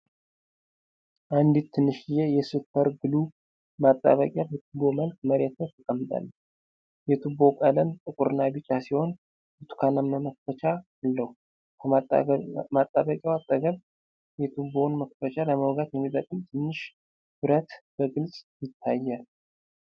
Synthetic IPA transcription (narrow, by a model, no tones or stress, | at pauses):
ʔand̪it̪ʰːɨnːɨʃɪjɛjɛsɨpʰːəɾɡɨlu | mat̪ʼːa̰βəkʼjabət̪ʰɨbːo̞məlk̚məɾet̪ʰət̪ʰɨkʼəmːɨt̪ʼa̰lː | jɛt̪ʰubo̞kʼələmt̪ʼɨkʼuɾɨnːabɨt͡ʃʼːasiho̞n | bɨt̪ʰu̥kʰanamːəmək̚fət͡ʃʰa | alːəhu | kʰə | mat̪ʼːaβəkʼjawat̪ʼːəɡəβ | jɛt̪ʰubonməkfət͡ʃaləməwɡat̪jɛmːit̪ʼəkʼɨmt̪ʰɨnːɨʃ | b̥ɨɾət̪b̥əɡɨlsʼjɪt̪ʰːajːal